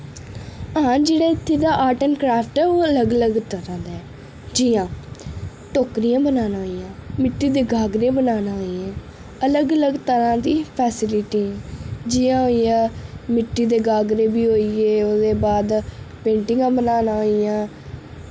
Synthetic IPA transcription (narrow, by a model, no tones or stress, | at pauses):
əɦãːd͡ʒeːɽaːɪt̪ʰːeːd̪aːʔaːʈənkɾaːpʈɛːoːələɡələɡt̪əɾãːd̪ɛː | d͡ʒijãː | ʈoːkɾijãːbənaːnaːɦoijãːmɪʈːiːd̪eːɡaːɡɾeːbənaːnaːɦoːiɛ̃ː | ələɡələɡt̪əɾãːd̪iːpʰɛːsɪlɪʈiːɛːd͡ʒɪjãːɦoːijãːmɪʈːiːd̪eːɡaːɡɾeːbiːɦoːieːoːd̪eːbaːd̪pẽːɳʈɪŋɡãːbənaːnaːɦoːijãː